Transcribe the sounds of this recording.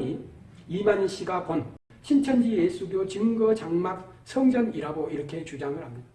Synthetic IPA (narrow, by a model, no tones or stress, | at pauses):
i | imaɲiɕ͈ʰiɡakon | ɕʰint͡ɕʰʌnd͡ʑijes͈uɡjot͡ɕɯŋɡʌt͡ɕaŋmak̚ | sʰʌŋd͡ʑʌniɾaɡoiɾʌkʰe̞t͡ɕud͡ʑaŋɯɭhamɲid̥a